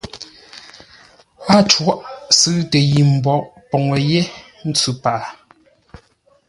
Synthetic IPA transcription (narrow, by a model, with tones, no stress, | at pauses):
pa˦˨t͡ʃwɔ˦ʔsɨ˦tə˨ji˨m̩˨bɔ˨ʔpɔ˨ŋə˨jɛ˦ | n̩˦t͡sʉ˦˨pa˨